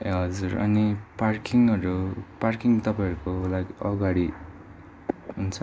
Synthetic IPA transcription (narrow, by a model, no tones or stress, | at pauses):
ɦʌd͡zuɾʌ̰niparkiŋʌɾuparkiŋt̪ʌpaj̃ʌɾukolaɡiʌɡaɽi | ɦunt͡sʰʌ